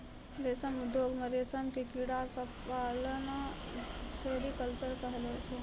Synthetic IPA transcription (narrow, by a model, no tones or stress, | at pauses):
ɾesəmʊd̪joɡmeɾesəmkekiɽakapaləna | seɾikəlt͡ʃəɾkəɦlɛt͡ʃʰɛ